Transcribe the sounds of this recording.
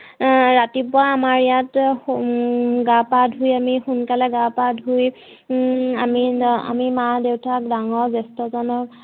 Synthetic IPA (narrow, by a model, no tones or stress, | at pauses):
ɹatipʊaːmaɹijat | ɡapadʱujamixunkalɛɡapadʱuj | amia̰mimadewtʰak̚daŋɔɹzɛstɔzɔnɔk̚